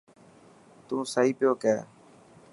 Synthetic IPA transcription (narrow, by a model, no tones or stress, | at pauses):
t̪ũːsaːiːpɪjoːkɛː